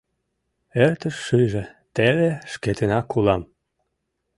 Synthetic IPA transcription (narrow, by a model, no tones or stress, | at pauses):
ert̪əʃːyjʒĕt̪eβeʃket̪enɑkːulɑm